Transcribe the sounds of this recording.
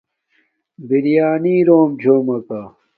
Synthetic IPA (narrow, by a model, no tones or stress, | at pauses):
biɾijaːniːɾoːmd͡ʑʱoːmɐka